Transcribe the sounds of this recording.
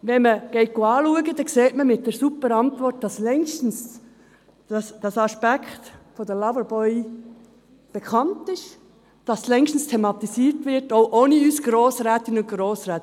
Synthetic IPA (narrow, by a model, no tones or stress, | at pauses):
ʋɛnməɡ̥ɛɪt̚ɡ̥oɑːluəɡədɛkseːtməmɪt̚d̥ɛːɾsupːəɾɑntvɔrt̚d̥ɑslɛŋʃtn̩s | ɑsd̥ɑsɑspækʰχtfodəlɑvəɾbɔʏ | b̥ekʰɑntɪʃ | d̥ɑslɛŋʃtn̩stʰemɑt̪isiːɾtʋɪɾtoʊʔoːniysɡ̥ɾoːsɾæːt̪ɪnʊnɡ̥ɾoːsɾɛːt